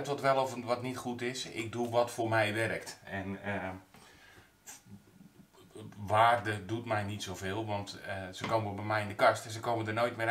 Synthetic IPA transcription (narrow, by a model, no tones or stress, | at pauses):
tʋɔtʋɛlˠɔfʋɔtnitχutɪsɪ̰k̚duʋɔtfoːrmɛjʋɛrəktɛn | ʋaːrdədutmɛjnitsowvɪːlˠʋɔntəsəkoːwməɔlˠbɛmɛjɪndəkastɛnsəkowməndərnojtmɪ